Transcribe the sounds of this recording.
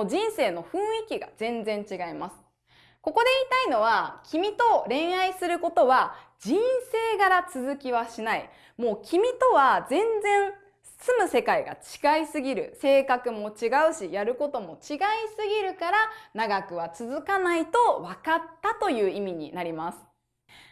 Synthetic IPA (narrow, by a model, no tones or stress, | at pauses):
d͡ʑĩɰ̃se̞ːno̞ɸɯ̟̃ɰ̃ikʲiɡa̰d͡zẽ̞nd͡zẽɲt͡ɕiɡaimasɨ̥ | ko̞ko̞d̪e̞iːt̪aino̞β̞akʲimʲit̪o̞ɾẽ̞ɰ̃aisɨɾɯ̟ko̞t̪o̞βa | d͡ʑĩɰ̃se̞ːɡaɾat͡sɨzɨkʲiβaɕinaḭ | mo̞ːkʲʰimʲit̪o̞βazẽ̞nd͡zẽ̞ɰ̃ | sɨmɯ̟se̞kaiɡa̰t͡ɕi̥ɡaisɨɡʲiɾɯ̟̰se̞ːkakɯ̟mo̞t͡ɕiɡaɯ̟ɕijaɾɯ̟ko̞t̪o̞mo̞t͡ɕiɡaisɨɡʲiɾɯ̟kaɾanaɡakɯ̟βat͡sɨzɨkanait̪o̞βakat̪ːat̪o̞jɯ̟ːimʲiɲ̟ḭnaɾʲimasɨ̥